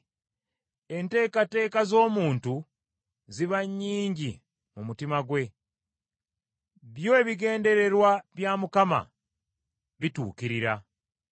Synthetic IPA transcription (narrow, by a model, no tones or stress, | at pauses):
e̞nte̞ːkate̞ːkazo̞ːmuːntu | ziβaɲːiːɲɟi | mumutimaɡwe̞ | βjo̞eβiɡe̞ːnde̞ɾe̞ɾwaβjamukama̰ | βitṵːkiɾiɾa